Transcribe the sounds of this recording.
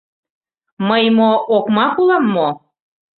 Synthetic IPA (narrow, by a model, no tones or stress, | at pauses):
məjmoʔokmɑkulɑmːo